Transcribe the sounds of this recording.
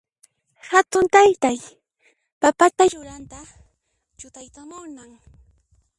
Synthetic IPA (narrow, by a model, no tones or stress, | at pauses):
hat̪ʊnt̪ajt̪aj | papat̪aɾʊɾant̪a | t͡ʃʊt̪ajtamʊnaŋ